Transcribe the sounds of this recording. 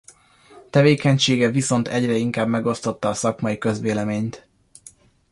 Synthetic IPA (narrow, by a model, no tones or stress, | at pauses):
t̪ɛveːkɛɲʃeːɡɛviso̞nt̪ʰɛɟrɛiŋkaːbmɛɡo̞st̪o̞t̪ːɒːsɒkmɒjikø̞zʋeːlɛmeːɲt̪